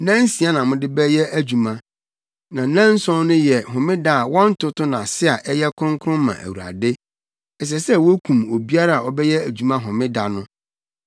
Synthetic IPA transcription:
nã˦n˦si˨a˦nã˨mʊ̃˦dɪ˦bɛ˦jɛ˦ʔæ˦d͡ʑu˨mã˦ | nã˨˦nã˦n̩˦sɔ̃˦nʊ̃˦jɛ˨ɦʊ̃˨mɪ̃˦da˦˨a˨wɔ̃˦n̩˦tʰʊ˦tʊ˦nã˨sɪ˦a˨ʔɛ˦jɛ˦kʰʊ̃˦ŋkʰɾʊ̃˦mã̰˨ʔæ̰˨wu˨ɾa̰˨dɪ˦ | ɛ˨s̬ɛ˨sɛ˦wo˦kʰũ˨mo˨bi˦a˦ɾa˦a˨ɔ˦bɛ˦jɛ˦æ˨d͡ʑᶣu˨mã˦ɦɔ̃˨mɪ̃˦da˨nʊ̃˦

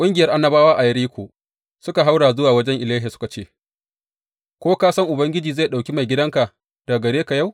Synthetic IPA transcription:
kʷʼʊ˦ŋɡʲɪ˨jɐ˦rʔa˦nːɐ˦baː˦waː˦ʔa˨jɐ˦ɾiː˦kʷʰo̰ː˨ | sʊ˦ka˨ɦa˦wɽaː˨zʊ˦waː˨wɐ˦d͡ʒɛ˦ŋʔɪ˨laː˦ɦi˨sʊ̥˦ka˨t͡ʃeː˦ | kʷoː˦kaː˦sɐ˦ŋʔʊ˨bɐ˦ŋɡʲɪ˦d͡ʒiː˨za˦˨ɗa˨wkʲi˦ma˨jɡʲɪ˦dɐ˦ŋka˨ | d̥a˨ɡɐ˨ɽeː˦ka˨ja˦w

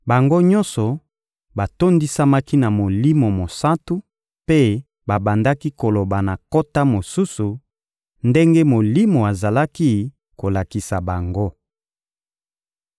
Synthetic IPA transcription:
ba˨ŋɡo˦ɲɔ̃˦nsɔ˨ | ba˨to˦ndi˦sa˦ma˦ki˦na˨mo˨li˦mo˨mo˨sa˦tu˦ | pe˦ | ba˨ba˨nda˦ki˦ko˨lo˨ba˨na˨ko˦ta˦mo˨su˦su˨ | nde˦ŋɡe˦mo˨li˦mo˨a˨za˨la˦ki˦ | ko˨la˨ki˨sa˨ba˨ŋɡo˦

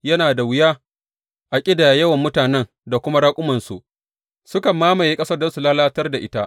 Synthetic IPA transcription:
jɐ˦naː˨da˨wɪ˦jaː˦ | ʔa˨kʲʼɪ˦da˨jjɐ˦wɐ˨mːʊ˦taː˨nɛ˦n | da˨kʷʊ˦ma˦ɽaː˦kʷʼʊ˦mɐ˨nsu˨ʔ | sʊ˦kɐ˨mːaː˦mɐ˨jeː˦kʼɐ˦sɐ˦rdɐ˦nsu˨laː˦laː˦tɐ˦rda˨ʔɪ˦ta˦ʔ

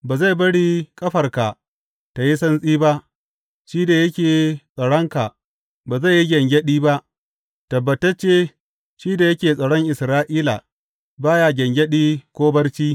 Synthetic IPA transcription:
baː˨za˦˨bɐ˦ɽiː˦kʼɐ˦ɸɐ˨rka˨ | ta˨ji˦sɐ˦nsʼiː˦ba˦ʔ | ʃiː˦da˨jɐ˦kʲeː˨˦sʼɐ˨ɽɔ˦ŋka˨ | baː˨za˦˨ji˦ɡʲɛ˨ŋɡʲɛ˦ɗiː˦ba˦ʔ | tɐ˨bːɐ˨tɐ˦t͡ʃe˦ | ʃiː˦da˨jɐ˦kʲeː˨sʼɐ˨ɽɔ˦ŋʔɪ˨sɾaː˦ʔiː˦la̰˨ | baː˦ja˦ɡʲɛ˨ŋɡʲɛ˦ɗiː˦kʷoː˦bɐ˦rt͡ʃiː˦

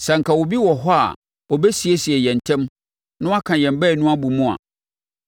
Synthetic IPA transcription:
sã˨ŋ̩˨kʰa˨wo˨bi˦wɔ˨ɦɔ˦a̰˨ | ɔ˨bɛ˦si˨e˦si˨ɛ˨jɛ̃˨n˨tʰɛ̃˦m | nʊ̃˦a˦kʰã˨jɛ̃˨m˦bɛ˦˨nʊ̃˦a˦bu˨mʊ̃˦a̰˨

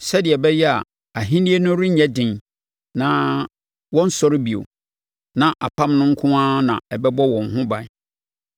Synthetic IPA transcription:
sɛ˦dɪ˨ɛ˨bɛ˦jɛ˦a˨ | a˨ɦĩ˦nĩ˦e˦nʊ̃˦ɾɪ˦ɲɛ˦dɪ̃˨n | nã˨˦ | wɔ̃˦n̩˦sɔ˦ɾɪ˦bi˨o̰˨ | nã˨ʔa˨pʰã˦mnʊ̃˦ŋ̩˦kʰʊ̃˦ãː˦nã̰˨ɛ˨bɛ˦bɔ˦wɔ̃˨ŋ̩˨ɦʊ̃˦ba˨˦˨

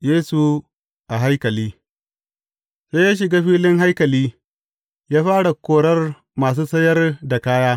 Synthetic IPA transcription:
jeː˦su˨ | ʔa˨ɦa˦jkɐ˨liː˦ | se˦jaː˦ʃ̬ɪ˨ɡaː˦ɸiː˦lɪ˦ŋɦa˦jkɐ˨liː˦ | jaː˦ɸaː˦ɽa˨kʷoː˦ɽɐ˦r | maː˨s̬uː˦sɐ˦jɐ˦rda˨kaː˦jaː˦

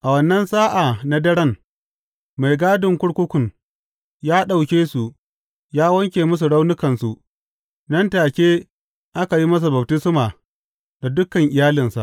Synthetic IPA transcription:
ʔa˨wɐ˨nːɐ˦nsaː˦ʔa˨na˦dɐ˦ɽɐ˦ŋ | ma˨jɡaː˦dʊ˨ŋkʷʊ˦ɽkʷʊ˦kʷʊ˨ŋ | jaː˦ɗa˨wkʲeː˦su˨ | jaː˦wɐ˦ŋkʲeː˨mʊ˦s̬u˨ɽa˦wnʊ˦kɐ˨nsu˨ʔ | nɐ˦ntaː˨kʲeː˦ | ʔa˦ka˨ji˦mɐ˦s̬u˨bɐ˨b̚tɪ˦smaː˨ | da˨dʊ˦kːɐ˨ŋʔɪ˨jaː˦lɪ˨nsa̰˨ʔ

